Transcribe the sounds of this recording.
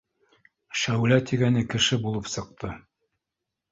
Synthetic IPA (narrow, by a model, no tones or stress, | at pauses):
ʃæwlæt̪iɡænɘkɘ̆ʃɘbulˠɤpsɤ̆q̚t̪ʰɤ